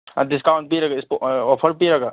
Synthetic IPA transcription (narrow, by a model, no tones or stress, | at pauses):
andiskawn̚piɾaɡaispɔpʰəɾpiɾaɡa